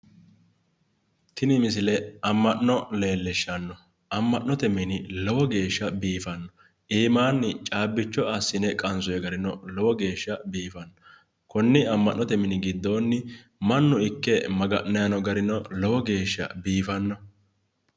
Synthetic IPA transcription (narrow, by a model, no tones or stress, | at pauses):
t̪ʰɪnɪmɪsɪlɛɐmːɐʔnɔleːlːɪʃːɐnːɔ | ʔɐmːɐʔnɔt̪ɛmɪnɪlɔwɔɡe̞ːʃːɐbiːfɐnːɔ | ʔiːmaːnːɪt͡ʃʼaːbːɪt͡ʃːɔɐsːɪnɛkʼɐnsʊjɛɡɐɾɪnɔlɔwɔɡe̞ːʃːɐbiːfɐnːɔ | kʊnːɪɐmːɐʔnːɔt̪ɛmɪnɪɡɪd̪ːo̞ːnːɪ | mɐnːʊɪkːɛmɐɡɐʔnɐjɐnɔɡɐɾɪnɔlɔwɔɡe̞ːʃːɐ̰biːfɐnːɔ